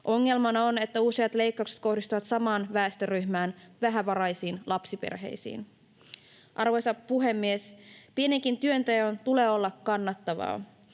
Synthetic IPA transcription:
ʔo̞ŋːe̞lmɑnɑone̞t̪ːæusiɑt̪le̞jkːɑowkset̪̚ko̞hdist̪uʋɑt̪sɑmɑːnʋæːst̪øryhmæːnʋæɦæʋɑɾɑjsiːnlɑpsipḛrɦe̞̰jsḭːn | ʔɑrʋo̞jsɑpuɦe̞mːiespie̞niŋkint̪yønt̪ejont̪ule̞ːo̞lːɑkːɑnːɑt̪ːɑʋɑ̰ː

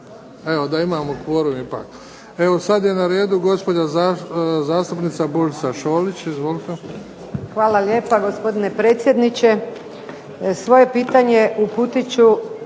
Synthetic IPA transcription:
e̞ʋod̪aimaːmokʋoɾuipa̰ːk | e̞ʋosad̪je̞naɾe̞ːd̪uɡo̞spod͡ʒazazaːst̪upnit̪saboɾsaʃo̞ːlit͡ɕizʋo̞lit̪e | xʋaːlalje̞ːpaɡo̞spo̞d̪ine̞pɾeːt̪sjed̪nit͡ɕe | sʋo̞je̞piːt̪aɲe̞ʔuput̪it͡ɕu

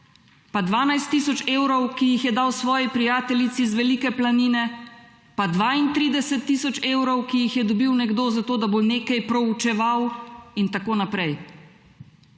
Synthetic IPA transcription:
pad̪ʋaːnajst̪ːisɔt͡ʃeːwɾɔwkijixjɛd̪awsʋɔːjipɾijaːt̪ɛlit̪sizʋɛlikɛplaniːnɛ | pad̪ʋaːint̪ɾiːd̪ɛsɛt̪ːisɔt͡ʃeːwɾɔwkijixjɛd̪ɔbiwnɛɡd̪oːzat̪oːd̪aboneːkajpɾɔut͡ʃɛʋawint̪akoːnapɾɛj

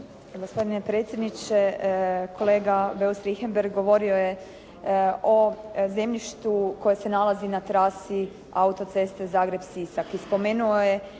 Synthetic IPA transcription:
ɡospo̞d̪ine̞pɾet̪sjed̪nit͡ʃekʰo̞le̞ːɡabe̞usɾixembeɾɡɡo̞ʋo̞ɾio̞je̞ | oze̞mʎiʃt̪uko̞jese̞nalˠazinat̪ɾaːsi | aut̪o̞t̪se̞st̪ezaːɡɾe̞bsisakispo̞me̞ːnuoje̞

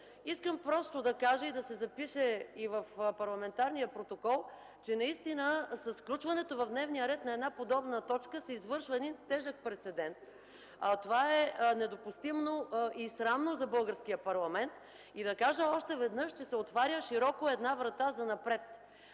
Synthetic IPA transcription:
iskəmpɾɔst̪od̪ɐkaʒəid̪ɐsɛzɐpiʃɛivəfpɐɾlˠɐmɛnt̪aɾnijəpɾot̪okɔlˠ | t͡ʃɛnɐist̪inəsɐsfklʲut͡ʃvɐnɛt̪ovɐvd̪nɛvnijəɾɛt̪nɐɛd̪napod̪ɔbnət̪ɔt͡ʃkəsɛizvɤɾʃvəɛd̪int̪ɛʒək̚pɾɛt̪sɛd̪ɛnt̪ | t̪ovaɛnɛd̪opʊst̪imnoisɾamnozɐbɤlˠɡəɾsk̟ijəpɐɾlˠɐmɛnt̪ | id̪ɐkaʒəɔʃt̪ɛvɛd̪nɤʃt͡ʃɛsɛot̪vaɾʲəʃiɾɔkoɛd̪navɾɐt̪azɐnɐpɾɛt̪

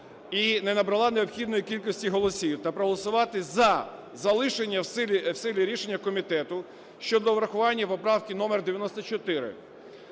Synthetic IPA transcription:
inenɐbɾɐlˠɑneɔpxʲid̪nɔjikʲilʲkɔsʲtʲiɦɔlˠɔsʲiwt̪ɐpɾɔɦɔlˠɔsʊʋɑt̪ɪzɐ | zɐlˠɪʃenʲːɐwsɪlʲiwsɪlʲiɾʲiʃenʲːɐkɔmʲit̪ɛt̪ʊ | ʃt͡ʃɔd̪ɔʋɾɐxʊʋɑnʲːɐʋɔpɾɑwkʲinɔmerd̪eʋʲjɐnɔst̪ɔt͡ʃɔt̪ɪɾɪ̰

